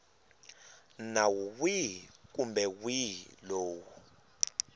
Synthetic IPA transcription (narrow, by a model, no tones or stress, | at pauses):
nawuwik̬ʼumbɛwiloːwu